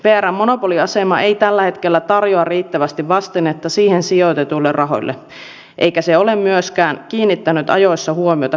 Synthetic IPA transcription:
ʋeæɾæmːo̞no̞po̞liɑse̞mɑʔe̞jt̪ælːæhe̞t̪ke̞lːæt̪ɑrjoɑrriːt̪ːæʋæst̪iʋʋɑst̪enet̪ːɑsiːhensio̞t̪et̪ulːerrʔɑɦo̞̰jlːʔḛ | ʔḛjkæseo̞le̞mmyøskæːnkiːnːit̪ːænyt̪ɑ̰jo̞jsːɑhuomio̞t̪ɑ

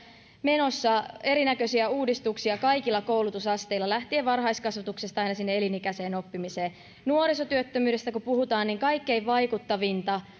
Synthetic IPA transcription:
meno̞sːɑe̞ɾinækøsiæuːdist̪uksiɑkɑikilːɑkoulut̪usɑst̪eilːɑlæht̪ieʋɑrɦɑiskɑsʋɑt̪uksest̪ɑinɑsinːeelinikæse̞ːno̞pːimiseː | nuoɾisot̪yøt̪ːømyːdest̪ækupuhut̪ɑːniŋkɑikːe̞iʋɑikut̪ːɑʋint̪ɑ

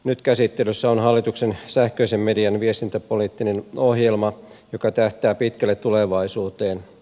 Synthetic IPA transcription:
nyt̪kæsit̪ːelysːæonɦɑlːit̪uksensæhkøisemːediɑnʋiest̪int̪æpoliːt̪ːinenohjelmɑ | jokɑt̪æht̪æːpit̪kælːet̪t̪ːuleʋɑisuːt̪eːn

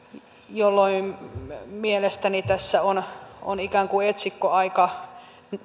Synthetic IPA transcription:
jolːoimmielest̪ænit̪æsːæono̰nikæˑŋkuet̪sikːoɑikɑ

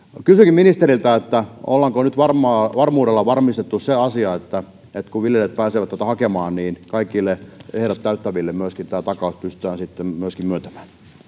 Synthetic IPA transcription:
kysykimminist̪eɾilt̪æet̪ːæo̰lːɑŋkonyt̪ʋɑrmɑʋɑrmuːdelːɑʋɑrmist̪et̪ːusseɑsiɑet̪ːæ | et̪kuʋiljelet̪̚pæːseʋæt̪ːæt̪æhɑkemɑːnniːnkɑikːˑilːeehɾæt̪ːæyt̪ːæʋilːemmyøskint̪æːt̪ɑkɑˑuspyst̪yæːnsit̪ːemmyøskimmyøt̪æmæ̥ːn

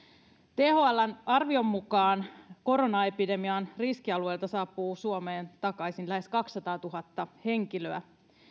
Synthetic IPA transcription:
t̪ehoɑlːænɑrʋio̞mːukɑːnko̞ɾo̞nɑe̞pide̞miɑnriskiɑlue̞jlt̪ɑsɑːpːˑuːsuome̞ːnt̪ɑkɑjsinlæɦe̞skɑksːɑt̪ɑːt̪uɦɑt̪ːɑhe̞ŋkiløæ

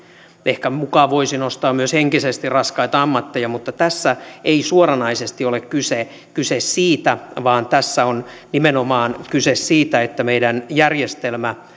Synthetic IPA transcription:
ehkæmukɑːʋoisinost̪ɑːmmyøsheŋkisest̪irrɑskɑit̪ɑɑmːɑt̪ːejɑmut̪ːɑt̪æsːæʔeisuorɑnɑisest̪iolekkyse | kysessiːt̪æʋɑːnt̪æsːæon | nimenomɑːnkysessiːt̪æet̪ːæmeidænjærjest̪elmæ

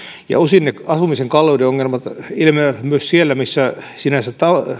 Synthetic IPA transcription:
jɑ̰osinneɑsumiseŋkɑlːoideoŋːelmɑt̪ilmemyøssielːæmisːæ | sinæsætt̪ɑ

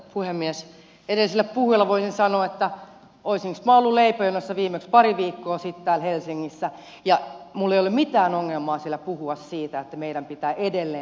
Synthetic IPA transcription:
pʰuhemːies | edelisilːæppuhujɑlːɑʋoisinsɑnoːet̪ːæ | oisiŋksmɑolːuleipojonosːɑʋiːmekspɑriʋiːkːoːsit̪t̪æːlhelsiŋːisːæ | jɑmulːejolːummit̪æːnoŋːelmɑːsielːæpuhuɑssiːt̪æet̪ːæmeidæmpit̪æːʔedelːeː

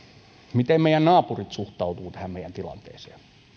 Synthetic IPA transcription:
mit̪emmeijænnɑːpurit̪suht̪ɑut̪uːt̪æhæmmeijænt̪ilɑ̰nt̪ḛːsḛː

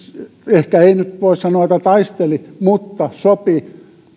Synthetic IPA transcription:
ehkæeinyt̪ʋoissɑnoɑet̪ːæt̪ɑist̪elimut̪ːɑsopi

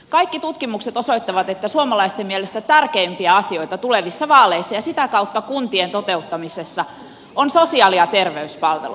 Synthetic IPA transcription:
kɑikːit̪ut̪kimukse̞t̪oso̞it̪ːɑʋɑt̪e̞t̪ːæsuomɑlɑist̪emiɛlest̪æt̪ærkeimpiæɑsio̞jt̪ɑt̪ule̞ʋisːɑʋɑːleisːɑjɑsit̪ækɑut̪ːɑkunt̪ient̪ot̪e̞ut̪ːɑmisesːɑ | onsosiɑːliɑt̪e̞rʋeyspɑlʋḛlu

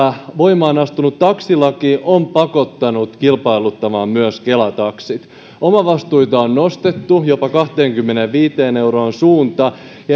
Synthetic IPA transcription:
ʋo̞imɑːnɑst̪unut̪tɑksilɑkiʔompɑko̞t̪ːɑnut̪kilpɑilut̪ːɑmɑːmmyøskelæt̪ɑksit̪ | omɑʋɑst̪ujt̪ɑonːo̞st̪et̪ːujo̞pɑkɑht̪e̞ːŋkymːeneʋʋiːt̪eːne̞wroːnsuːnt̪ɑ | jɑ

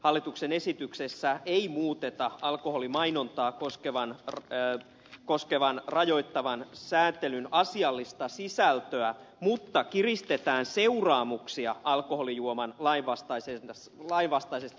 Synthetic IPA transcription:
hɑlːit̪uksene̞sit̪yksesːæʔeimuːt̪et̪ɑɑlkoholimɑino̞nt̪ɑːkoskeʋɑnr | koskeʋɑnrɑjo̞it̪ːɑʋɑnsæːnt̪elynɑsiɑlːist̪ɑsisælt̪øæmut̪ːɑkirist̪e̞t̪æːnse̞urɑːmuksiɑɑlkoholijuomɑnlɑinʋɑst̪ɑise | lɑinʋɑst̪ɑisest̪

